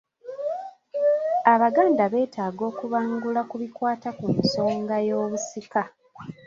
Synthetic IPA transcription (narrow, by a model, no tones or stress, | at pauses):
aβaɡaːndaβe̞ːtaːɡo̞ːkuβaːŋɡulakuβikwaːtakumso̞ːŋɡajo̞ːβusika